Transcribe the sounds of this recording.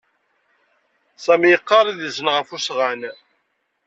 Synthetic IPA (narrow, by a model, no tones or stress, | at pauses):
sæmjəqːɑɾˤiðəzənʁəfusʁæn